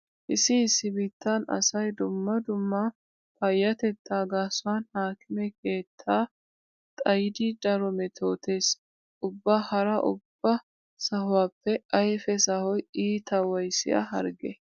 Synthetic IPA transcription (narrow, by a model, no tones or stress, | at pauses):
ʔɪsɪːsːɪbɪːt̪ːanɐ̰sɐjd̪ʊmːɐd̪ʊmːɐ | pɐjːɐt̪ɛt̪ʰːaːɡaːsʊwanhaːkʰɪmɛkʰe̞ːt̪ʰːaː | t̪ʼɐjd̪id̪ɐɾɔmɛt̪ʰoːt̪e̞ːs | ʔʊbːahɐɾɐʔʊ̰b̥ːɐ | sɐɦʊwaːpːɛɐjfɛsɐhɔjiːt̪ʰɐwɐjsɪ̰ʔɐ̰ɦɐ̰ɾɡɛ̰